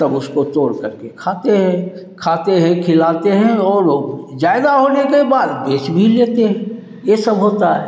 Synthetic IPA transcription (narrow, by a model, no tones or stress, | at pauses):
t̪ɐbʊskot̪oːɾkɐɾkekʰaːt̪eɦɛ̃kʰaːt̪eɦɛ̃kʰɪlaːt̪eɦɛ̃ɔːɾoːɡd͡ʒaːɪd̪aɦoːnekebaːd̪beːt͡ʃbʱileːt̪eɦɛ̃ | jesɐbɦoːt̪aɦɛː